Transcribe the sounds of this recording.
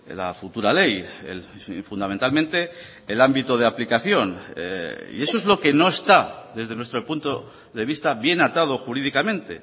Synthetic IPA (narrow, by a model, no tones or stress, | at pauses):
la̰fut̪uɾale̞jḛlfunament̪almẽnt̪e̞ː | lambit̪o̞ð̞eaplikaθjo̞n̰ | ḭe̞so̞e̞zlo̞ke̞no̞e̞st̪aðe̞zðe̞nwest̪ɾo̞punt̪o̞ | ðe̞βist̪aβje̞nat̪að̞o̞xuɾiðikamẽ̞nt̪e̞̰